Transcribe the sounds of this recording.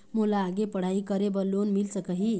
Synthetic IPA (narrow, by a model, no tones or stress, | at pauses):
molaːɡepəɽ̤aikəɾebəlːonmilsəkəɦi